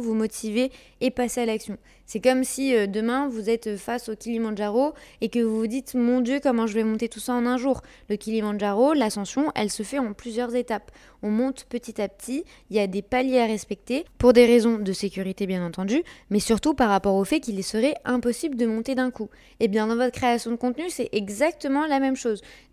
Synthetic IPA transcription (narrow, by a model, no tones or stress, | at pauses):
vumɔt̪ʰiveː | pasealaksjɔ̃ | sɛkɔmsiød̪əmɛ̃vuzɛt̪fasokʲilimɑ̃ʒaʁoekəvuvud̪it̪mɔ̃d̪jøkɔmɑ̃ʒəvɛmɔ̃t̪et̪usaɑ̃nɛ̃ʒuːʁ | ləkʲilimɑ̃ʒaʁolasɑ̃sjɔ̃ʔɛ̰lsəfɛɑ̃plyzjœʁzet̪ap | ɔ̃mɔ̃t̪pət̪it̪ap̚t̪ʰi | iljad̪epaljeaʁɛspɛk̚t̪epuʁd̪eʁezɔ̃d̪əsekʲyʁit̪ebjɛ̃nɑ̃t̪ɑ̃d̪ymɛsyʁt̪upaʁːapɔʁofɛkʲilsəʁɛɛ̃pɔsibləd̪əmɔ̃t̪ed̪ɛ̃ku | ebjɛ̃d̪ɑ̃vɔt̪χəkχeasjɔ̃d̪əkɔ̃t̪nysɛʔɛɡzak̚t̪əmɑ̃lamɛmʃoz